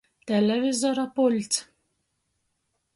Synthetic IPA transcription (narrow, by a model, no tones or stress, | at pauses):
t̪ɛlɛvizɔɾapolʲt̪t͡s̪